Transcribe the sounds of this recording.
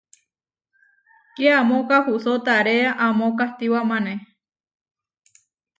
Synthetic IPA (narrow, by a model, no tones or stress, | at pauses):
keamõkahusot̪aɾeaʔamõkaht̪iwamãnẽ